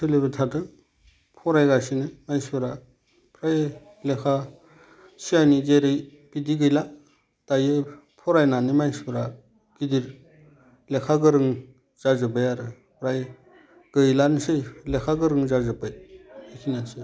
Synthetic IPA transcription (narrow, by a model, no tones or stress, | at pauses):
sɯlebɯtʰadɯ | pʰɔɾajɡasinɯmajsbɯɾa | pʰɾaj | lekʰa | siajnid͡ʒeɾɯj | b̥idiɡɯjla | d̥ajɯ | pʰɔɾajnanɯmajsbɯɾa | kidiɾ | lekʰaɡɯɾɯŋ | z̥azɯbɯjaɾɯ | pʰɾaj | ɡ̥ɯjlansɯjlekʰaɡɯɾɯŋzazɯpɯj̚ikʰinasɯ